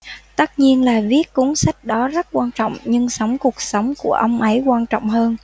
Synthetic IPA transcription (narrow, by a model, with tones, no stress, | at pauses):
t̪ə˦˥t̚ɲi˧ənlaː˨˩vi˦˥ət̚ku˨˦ŋsa˦˥jk̟̚ɗɔ˨˦zə˦˥t̚kwaː˧nt͡ɕɔ̰˧˨wŋ͡mɲɨ˧ŋsə˨˦wŋ͡mku˨˩ək̚sə˨˦wŋ͡mku˧˩əʔə˧wŋ͡mʔə˨˦jkwaː˧nt͡ɕɔ̰˧˨wŋ͡mhəː˧n